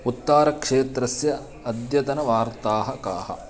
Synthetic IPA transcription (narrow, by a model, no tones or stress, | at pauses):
ut̪ːaːɾɐkʂeːt̪ɾɐsjɐ | ɐd̪jɐt̪ɐnɐʋaːɾt̪aːɦɐka̰ːhɐ̰